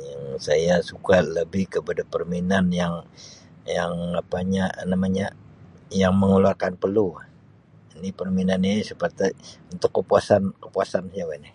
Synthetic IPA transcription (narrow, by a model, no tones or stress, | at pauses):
jaŋsajasukaləbɪhkəpadapərminanjaŋ | jaŋapaɲanamaɲa | jaŋməŋuluarkanpərlu | inipərminanisəpərt̪iunt̪ʊkːəpuasankəpuasansad͡ʒawani